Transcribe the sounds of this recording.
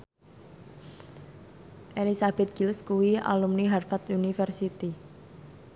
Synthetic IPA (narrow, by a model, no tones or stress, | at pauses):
ʔelisab̥ɛt̪̚ɡ̥ilskuwia̰lumniɦarfat̪unifɛrsit̪i